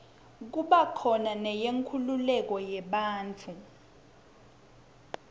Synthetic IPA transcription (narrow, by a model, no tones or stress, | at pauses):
k̬uɓakʰɔnanɛjeŋkʰululɛk̬ɔjɛɓaːnt͡fʰu